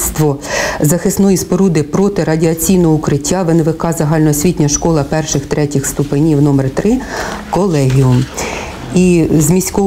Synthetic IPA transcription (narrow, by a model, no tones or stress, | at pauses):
st̪ʋɔzɐxɪsnɔjispɔɾud̪ɪpɾɔt̪ɪɾɐdʲiɐt͡sʲijnɔɦɔukɾɪtʲːaʋeneʋɪkɑzɐɦɑlʲnɔɦɔsʲʋʲitʲnʲɐʃkɔlˠɐpɛrʃɪxt̪ɾɛtʲixst̪ʊpɪnʲiwnɔmɛrt̪ɾɪkɔlˠɛɦʲium | izmʲisʲkɔ